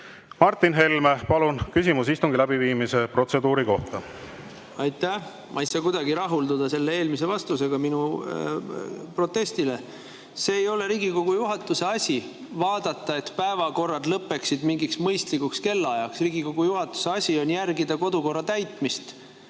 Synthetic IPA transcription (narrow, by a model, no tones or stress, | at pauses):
mɑrt̪ːinɦe̞lmepɑlunkysʲimusist̪uŋɡilæbiviːmise̞pro̞t̪sed̪uːɾiko̞̰ht̪ɑ | ɑjt̪ːˑæh | mʔɑisɑkujd̪̥ɑɡiɾɑɦuld̪ud̪̥ɑse̞lːee̞ːlmis̬e̞vɑst̪use̞ɡ̥ɑminu | pro̞t̪ːˑe̞st̪ile̞ | se̞ːjo̞le̞ɾiːɡiko̞ɡ̥ujuɦɑt̪ːˑuse̞ɑsʲi | vɑːd̪̥ɑt̪ːɑe̞t̪pæevɑko̞rːɑd̪̥lɤpːe̞ksid̪miŋɡiksmɤjst̪likːukske̞lːɑjɑksriːɡiko̞ɡ̥ujuɦɑt̪ːˑu̥se̞ɑsʲio̞njærɡid̪ɑko̞d̪uko̞rːɑt̪æjt̪ˑmist̪